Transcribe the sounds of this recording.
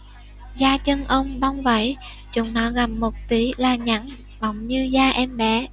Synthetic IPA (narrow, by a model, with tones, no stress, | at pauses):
zaː˧t͡ɕə˧nʔə˧wŋ͡mɓa˧wŋ͡mvə̰˧˩˦j | t͡ɕʊ̰˧˨˦ŋ͡mnɔ˨˦ɣa˨˩p̚mo˨˩t̚t̪i˨˦laː˨˩ɲa̰˧˥n | ɓa˨˩wŋ͡mɲɨ˧zaː˧ʔɛ˧mɓɛ̰˧˩˦